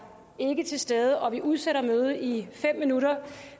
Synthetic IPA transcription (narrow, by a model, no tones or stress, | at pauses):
e̝ɡ̥ət͡sʰe̝lsd̥eːð̞ˠəʔɒ̽ʋiʔuð̞ˠseɾɐmøːð̞ˠəifem̰minuɾɐ